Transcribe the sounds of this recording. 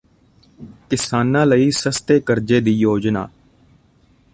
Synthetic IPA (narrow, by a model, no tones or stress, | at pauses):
kɪsaːnãːləiːsəst̪eːkəɾd͡ʒeːd̪iːjoːd͡ʒna̰ː